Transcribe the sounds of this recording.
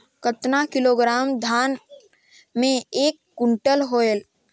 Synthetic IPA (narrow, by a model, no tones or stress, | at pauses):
kət̪nakɪloːɡɾaːmd̪ʱaːn | mẽeːkːʊ̃ɳʈəlɦoːel